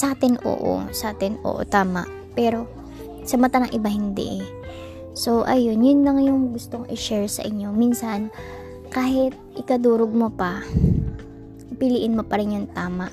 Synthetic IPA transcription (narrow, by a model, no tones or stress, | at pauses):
saːt̪ɪnʔo̰ːʔo̰saːt̪ɪnʔo̰ːʔo̰t̪aːma̰ʔ | pɛːɾo̞ | sɐmɐt̪anɐŋʔɪbahɪnd̪ɛ̰ʔ | so̞ʔɐjonjʊnlɐŋjʊŋɡʊst̪oŋʔɪʃɛɹsɐ̰ʔɪɲːo̞minsɐn | kaːhɪt̪̚ʔɪkɐd̪uːɾoɡ̚mopɐ | ʔɪpɪliːʔɪnmopɐɾɪnjʊŋt̪aːmaʔ